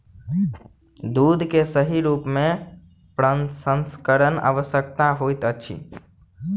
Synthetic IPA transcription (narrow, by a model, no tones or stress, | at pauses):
d̪ud̪ʱkesəɦiɾupmẽ | pɾənsənskəɾənə̰ʋəsjəkt̪aɦojt̪ət͡ʃʰḭ